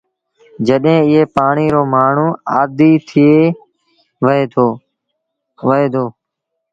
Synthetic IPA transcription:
d͡ʒəɗɦẽːɪɦeːpaːɳiːɾoːmaːɳ̤ũːaːd̪iːt̪ʰɪeː | ʋeːo | ʋəeːd̪oː

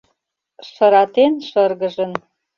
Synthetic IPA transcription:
ʃɤ̆ɾɑt̪enʃɤrɣə̆ʒə̆n

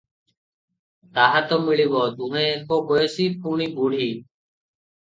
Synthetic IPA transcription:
t̪aːɦat̪oːmɪɭiːʋoːd̪uːɦẽːkoːkoːjeːsiːp̚ʰuːɳiːbuːɽ̤iː

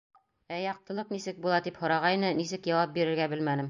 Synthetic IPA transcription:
æjɑq̚t̪ɤ̆lˠɤqnisɘk̚bulˠɑt̪iphŏɾɑʁɑjnɤnisɘkjɑwɑp̚biɾɘ̆ɾɡæbɘlmænɘm

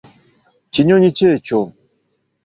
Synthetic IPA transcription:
t͡ʃiɲoɲit͡ʃet͡ʃo

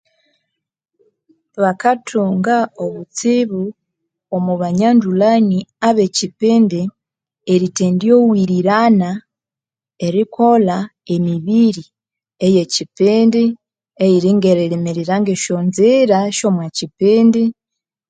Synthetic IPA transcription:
βakatʰuŋɡaoβut͡siβu | omuβaɲandulaniaβecipiːndi | eɾiteːndiowiɾiɾana | e̞ɾikʰola | emiβiɾi | ejecipiːndi | ejiɾiŋɡeɾeɾimiɾiɾaŋɡeʃonziɾaʃomwecipiːndi

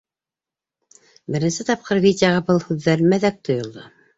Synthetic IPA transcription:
bɘ̆ɾɘ̆nsɘt̪ɑp̚qɤɾvʲidʲɪjaʁɑbɤlˠhʉðːæɾmæðæk̚t̪ʰŏjŏlˠd̪ɤ

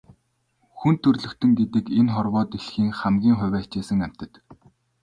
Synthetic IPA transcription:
xunt̪ʰːɵrɮɵ̆kt̪ʰɵ̆ŋɡet̪ɘ̆kenχɔrwɔːt̪eɬxiːŋχæmɡʲiːŋχʊ̟wʲæːt͡ɕeːsɘ̆ŋæm̥ʲt̪ɘ̆t̪

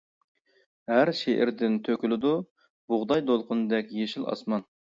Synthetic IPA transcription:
hæɾʃeʔɪ̰ɾd̪ɪnt̪ʰøkʲylˠɪd̪u | b̥ʊʁd̪ɑjd̪olˠqʊnɨd̪ɛkʲjeʃɪlˠɑ̰smɑn

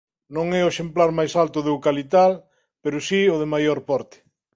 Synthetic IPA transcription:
nõŋɛʊeʃemplaɾmajsalt̪ʊðukalit̪̬al | peɾʊsiʊðemajoɾpɔɾt̪ɪ̥

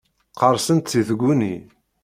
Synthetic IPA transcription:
qəɾˤsənt̪θiθəɡʷːunḭ

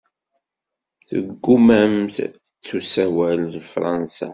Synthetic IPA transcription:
θə̰ɡːumæmθθət͡sːusæwællfɾˤɑnsa̰

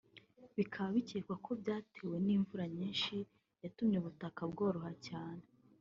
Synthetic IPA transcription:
βikʰaβaβiceːkwakʰo̞bjaːtʰeːwe̞niːɱvuɾaɲiːnʃi | jatumɲeβutakabɡo̞ːɾuhacaːne

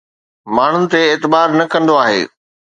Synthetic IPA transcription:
maːɳ̤ʊnɪ̆t̪eːt̪ɪbaːɾnɐkɐ̃nd̪oaːɦḛː

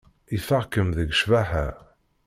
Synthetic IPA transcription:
iθəʁkəmðəɡʃvæħæ

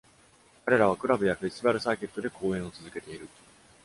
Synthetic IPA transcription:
kaɾe̞ɾaβakɯ̟ɾabɯ̟jaɸeɕt̪ibaɾɯ̟saːke̞t̪ːo̞d̪e̞kʰo̞ːẽ̞ɰ̃o̞t͡sɨzɨke̞t̪e̞iɾɯ̟

